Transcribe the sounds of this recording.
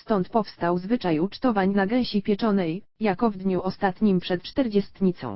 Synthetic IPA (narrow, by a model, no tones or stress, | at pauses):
st̪ɔnt̪pɔfst̪awzvɘt͡ʂajut͡ʂt̪ɔvaɲnaɡɛw̃ɕipʲjɛt͡ʂɔnɛjːakɔvd̪ɲuʔɔst̪at̪ɲimpʂɛt̪t͡ʂt̪ɛɾd͡ʑɛst̪ɲit̪sɔ̰̃w̃